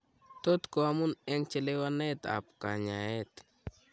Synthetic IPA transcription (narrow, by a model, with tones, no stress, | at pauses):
t̪o˦t̪ko˨a˦mu˦nɛ˦ŋt͡ʃe˦lewa˦nɛ˦t̪a̰˨pka˨ɲa˨ɛ˦t̪